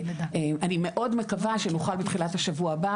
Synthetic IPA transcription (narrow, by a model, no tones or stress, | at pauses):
emanime̞ʔo̞dme̞kavaʃenuχalbet̪χilathaʃavuaba